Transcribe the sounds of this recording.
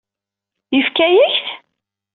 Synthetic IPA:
jəfkæjəçθ

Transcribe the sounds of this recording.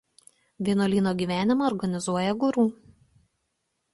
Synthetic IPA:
ʋʲiɛnolʲiːnoːɡʲiːˑʋʲæːnʲɪmɐːɾɡɐnʲɪzuɔjɛɡʊɾuː

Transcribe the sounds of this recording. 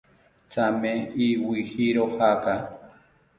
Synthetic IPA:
t͡sameiwihiɾohaka

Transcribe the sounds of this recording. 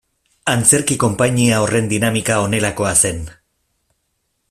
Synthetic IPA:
ant͡se̞ɾkiko̞mpaɲiao̞re̞nd̪inamikao̞ne̞lako̞ase̞n

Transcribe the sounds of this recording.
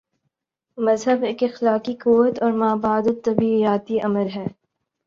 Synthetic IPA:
mɐzɦəbeːkɪxlaːkikuʋət̪ɔːɾmaːbaːd̪ət̪ːɐbijaːt̪iʔɐməɾɦɛː

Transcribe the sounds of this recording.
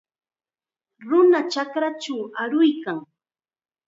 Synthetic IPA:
ɾʊnat͡ʃakɾat͡ʃawaɾʊjkaŋ

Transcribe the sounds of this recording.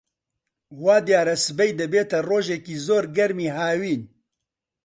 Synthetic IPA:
waːd̪ijaːɾɐsɨbɛjd̪ɨbeːt̪ɐroːʒekiːzoːɾɡɐɾmiːɦaːwiːn

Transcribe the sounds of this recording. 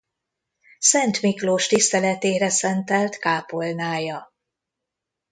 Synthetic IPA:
sɛnt̪mikloːʃt̪ist̪ɛlɛt̪eːɾɛsɛnt̪ɛlt̪kaːpolnaːjɒ

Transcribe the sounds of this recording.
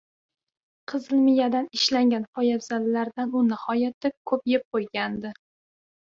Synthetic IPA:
qʰɨzɪlmɪjad̪anɪʃlaŋɡʲanfɒjabz̥alːaɾd̪anʊnɪhɒjat̪ɪkʰɵpjep̚qʰojɡʲand̪ɪ

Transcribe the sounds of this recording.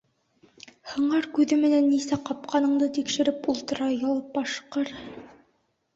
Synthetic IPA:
hɤ̆ɴɑɾkʉðɘmɘ̆nænːisæqɑp̚qʰɑnɤ̆ɴd̪ɤt̪ikʃɘ̆ɾɘpulˠt̪ɤ̆ɾɑjɑlˠɤp̚bɑʃqɤɾ

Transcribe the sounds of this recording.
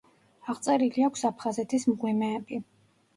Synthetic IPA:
aʁt̪sʼɛɾiliakʷʰsapʰχazɛt̪ʰismʁwimɛːbi

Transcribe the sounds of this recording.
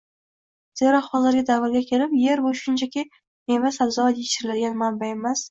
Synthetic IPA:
z̥eɾɒqχɒzɪɾɡʲad̪avɪɾɡʲakʲʰe̞ɾɪpje̞ɾbʊʃʊnt͡ʃʰakʲɪ | memasabzɒat̪jet͡ʃɪɾɪlad̪ɪɡʲanmambaemas

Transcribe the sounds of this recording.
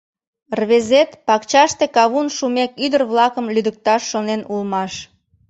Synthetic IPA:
rβezet̪pɑkt͡ɕɑʃt̪ekɑβunʃumekyd̪ərβlɑkəmlyd̪ək̚t̪ɑʃːonenulmɑʃ

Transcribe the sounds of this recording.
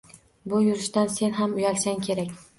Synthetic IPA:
bʊjʊɾɪʃt̪anse̞nɦamʊjɒkʲsaŋkʲʰe̞ɾakʲ

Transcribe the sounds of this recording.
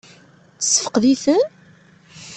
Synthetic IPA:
t͡sːə̥sːə̥fə̥qðiθən

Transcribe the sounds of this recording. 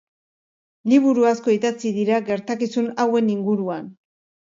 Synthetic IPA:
liβuɾuasko̞it̪at͡siðiɾaɡe̞ɾt̪akisunawe̞niŋɡuɾuan

